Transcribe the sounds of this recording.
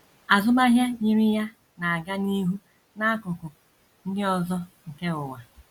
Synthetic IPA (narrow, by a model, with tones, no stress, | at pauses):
a˨zʊ˦ba˦ɦja˦ɲi˦ɾi˦ja˦ | na˨a˨ɡa˦ni˦ɦu˦ | na˦a˦kʊ˨kʊ˨ | ŋ̩˦dɪ˦ɔ˦zɔ˦ŋ̩˨ke˦ʊ˨wa˨